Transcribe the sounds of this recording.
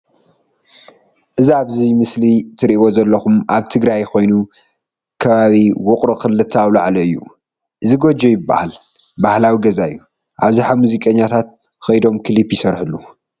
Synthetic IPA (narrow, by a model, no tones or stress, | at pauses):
ʔɨziaβzimɨslit̪ʰɨɾiʔiwo̞zɐlːɐxumʔaβt̪ʰɨɡɾajko̞jnu | kʰɐβaβiwʊkʼɾɨxɨlːɨt̪ʰːawlaʕlɐɨjːṵ | ʔɨziɡo̞d͡ʒojɪbːa̰hal | bahlawiɡɐzaɨjːu | ʔaβziħamuzikʼɐɲːat̪ʰat̪̚ | xɐjd̪o̞mkʰɨlipjɪsɐɾħɨlːu